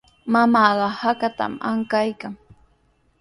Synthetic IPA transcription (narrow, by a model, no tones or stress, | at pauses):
mamɑːɢɑhakat̪a̰maŋkajkaŋ